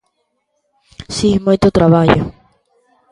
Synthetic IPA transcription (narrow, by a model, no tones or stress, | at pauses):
simujt̪ʊt̪ɾaβaʎʊ̰